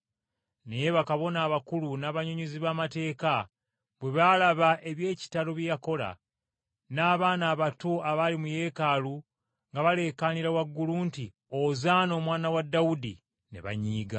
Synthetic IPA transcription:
nejeβakaβo̞naːβakulunaβaɲoɲuziβaːmate̞ːka | βwe̞βalaβaʔe̞βje̞ːci̥taɾoβjjako̞la̰ | naːβaːnaːβatoaβalimuje̞ːkalu | ŋɡaβale̞ːkaniɾawaɡːuluːnti | ozaːno̞ːmwaːnawadːaudi | ne̞̰βa̰ɲiːɡa

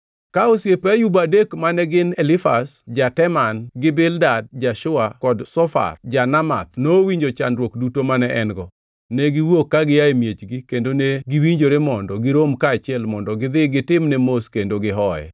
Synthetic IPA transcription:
kaosjepɛjubadekmanɛɡɪnɛlɪfasd͡ʒatɛmanɡɪbɪldad̚d͡ʒaʃʊakɔdsɔfa̰rd͡ʒanama̰t̪̚nowiɲd͡ʒot͡ʃandɾwokdutomanɛʔɛnɡɔ | nɛɡɪwokːaɡɪjaemjet͡ʃɡɪkendoneɡɪwiɲd͡ʒoɾemɔndɔɡɪɾomkaːt͡ʃɪɛlmɔndɔɡɪd̪ɪɡɪtɪmnɛmoskendoɡɪɦɔjɛ̰

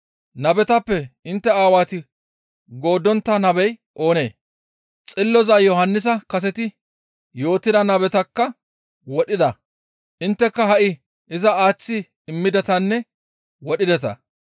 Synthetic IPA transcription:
nɐbɛt̪ɐpːɛɪnt̪ːɛaːwaːt̪ɪ | ɡo̞ːd̪ɔnt̪ːɐnɐbɛjʔo̞ːne̞ː | t͡sʼɪlːɔzɐjɔhɐnːɪs̬ɐkɐs̬ɛt̪ɪ | jo̞ːt̪ːɪd̪ɐnɐbɛt̪ɐkːɐ | wɔɗɪd̪ɐ | ʔɪnt̪ːɛkːɐɦɐʔɪ | ʔɪzɐaːt͡sːɪ | ɪmːɪd̪ɛt̪ɐnːɛ | wɔɗɪd̪ɛt̪ɐ̰

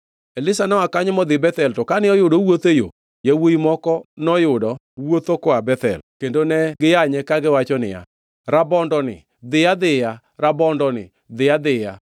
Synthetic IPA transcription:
elɪsanɔwakaɲmɔd̪ɪbɛt̪ɛltɔkanɪɔjʊdowot̪ejo̰ | jawoimɔkɔnɔjʊdɔ | wot̪okɔabɛt̪ɛ̰lkendonɛɡɪjaɲɛkaɡɪwat͡ʃɔnɪ̰ja̰ | ɾabɔndɔnɪ̰ | d̪ɪjad̪ɪja | ɾabɔndɔnɪ̰ | d̪ɪjad̪ɪja

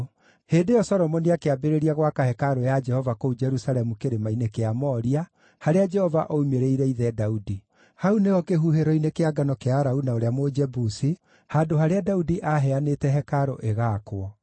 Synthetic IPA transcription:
heːndejɔsɔɾɔmɔniakeabeɾeɾiaɣwakahɛkaɾojad͡ʒɛhɔvakoud͡ʒɛɾusaɾɛmukeɾemainekeamɔːɾia | haɾead͡ʒɛhɔvaʔoumeɾeiɾɛiðɛdaudi | haunejɔkeɦuɦeɾɔinekeaɡanɔkeaɾaunaoɾeamod͡ʒɛbusi | haːdohaɾeadaudiʔaɦɛanetɛɦɛkaɾoʔeɣaːkwɔ

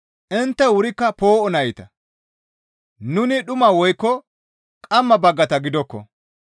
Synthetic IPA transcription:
ʔɪnt̪ːɛwʊɾɪkːɐpo̞ːʔɔnɐjɪt̪ɐ | nʊnɪɗʊmɐwɔjkːɔ | kʼɐmːɐbɐɡːɐt̪ɐɡɪd̪ɔkːɔ̰

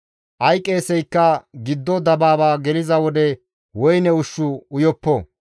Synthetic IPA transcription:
ʔɐjkʼːeːsɛjkːɐɡɪd̪ːɔd̪ɐbaːbaːɡɛlɪzɐwɔd̪ɛ | wɔjnɛʊʃːʊʊjɔpːɔ

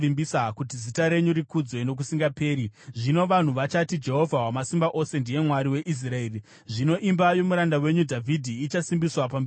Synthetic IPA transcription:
imbisakutizitaɾe̞ɲuɾikud͡zwe̞no̞k̬usiŋɡape̞ːɾiʐino̞ʋan̤uʋat͡ʃatid͡ʒe̞ɦo̞vʱawamasimbaʔo̞se̞ndije̞mwaɾiwe̞ʔis̬raeːri | ʐino̞ʔimbajo̞muɾandawe̞ɲudʱavʱidʱiːt͡ʃasimbiswapamb

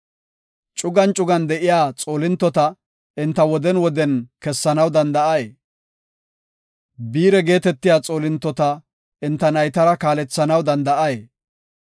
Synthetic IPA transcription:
t͡ʃʼʊɡɐnt͡ʃʼʊɡɐnd̪ɛʔɪjaːt͡sʼo̞ːlɪnt̪ːɔt̪ɐ | ɪnt̪ːɐwɔd̪ɛnwɔd̪ɛnkɛsːɐnɐwd̪ɐnd̪ɐʔɐjeː | biːɾɛɡe̞ːt̪ɛt̪ːɪjaːt͡sʼo̞ːlɪnt̪ːɔt̪ɐ | ɪnt̪ːɐnɐjt̪ɐɾɐkaːlɛt͡sːɐnɐwd̪ɐnd̪ɐʔɐje

